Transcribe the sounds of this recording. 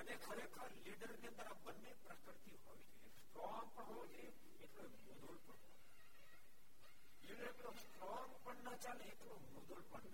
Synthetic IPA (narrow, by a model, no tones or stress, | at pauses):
ənekʰəɾekʰəɾliːɖəɾneə̃nd̪əɾabənːepɾəkɾɪt̪iɦo̰ːʋid͡ʒʰesʈɾɔːŋpəɳɦod͡ʒe | eʈloemud̪olpəɳɦo̰ː | liːɖəɾeklosʈɾɔːŋpəɳnat͡ʃaːleeʈlomud̪oːlpəɳ